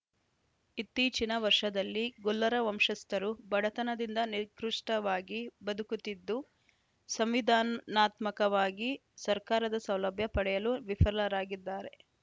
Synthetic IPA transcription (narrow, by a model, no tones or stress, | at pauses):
it̪ːiːt͡ʃinɐʋɐɾʂɐd̪ɐlːiɡɔlːɐɾɐʋɐmʂɐst̪ɐɾubɐɽɐt̪ɐnɐd̪ind̪ɐniɾkɾuʂʈɐʋaːɡibɐd̪ukut̪id̪ːu | sɐmʋid̪ʱaːnnaːt̪mɐkɐʋaːɡi | sɐɾkaːɾɐd̪ɐsɐwlɐbʱjɐpɐɽɛjɐluʋipʰɐɾlɐɾaːɡid̪ːaːɾe̞